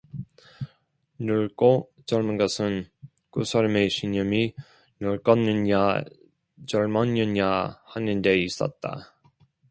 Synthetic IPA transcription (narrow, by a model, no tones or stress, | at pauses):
nɯɭk͈o | t͡ɕʌɭmɯnɡʌsʰɯn | kusʰaɾʌme̞ɕʰiɲʌmi | nɯɭk͈ʌnːɯna | t͡ɕʌɭmʌɲɯɲahanɯnde̞is͈ʌ̰t̚t͈a̰